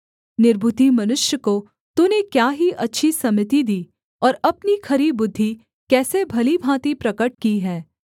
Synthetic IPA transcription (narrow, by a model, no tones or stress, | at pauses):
nɪɾbʱʊt̪imɐnʊʃjəko | t̪unekjaːɦiʔɐtːʃʰisɐmɪt̪id̪iː | ɔːɾɐpnikʰɐɾibʊd̪ʱːi | kɛːsebʱɐlibʱãːt̪ipɾɐkəʈ̚kiɦɛː